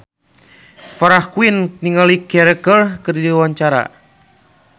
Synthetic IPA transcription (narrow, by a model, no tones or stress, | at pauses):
faɾahkuinniŋalikɛɾɛkərkɨrdiwaɲt͡ʃaɾa̰